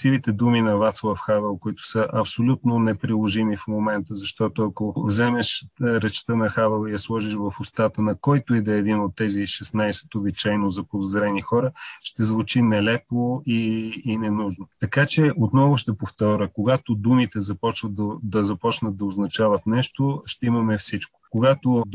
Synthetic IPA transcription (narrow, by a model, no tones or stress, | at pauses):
sivit̪ɛd̪uminɐvat̪slˠəfxavɛlˠkʊit̪ʊ̥səʔɐpsolʲut̪nonɛpɾilˠoʒimifmomɛnt̪əzɐʃt̪ɔt̪oɐkovzɛmɛʃɾɛt͡ʃt̪ənɐxavɛlˠijɐslˠɔʒiʃvɐfʊst̪at̪ənɐkɔjt̪oid̪ɛɛd̪inot̪ːɛziʃɛsnajsɛ̥t̪obit͡ʃajnozɐpod̪ozɾɛnixɔɾəʃt̪ɛzvut͡ʃinɛlɛpˠoiːnɛnuʒnot̪ɐkat͡ʃɛot̪nɔvʊʃt̪ɛpoft̪ɔɾʲəkoɡat̪od̪umit̪ɛzɐpɔt͡ʃvət̪̚d̪ɐd̪ɐzɐpɔt͡ʃnət̪̚d̪ɐoznɐt͡ʃavət̪nɛʃt̪oʃt̪ɛimɐmɛfsit͡ʃko̥koɡat̪o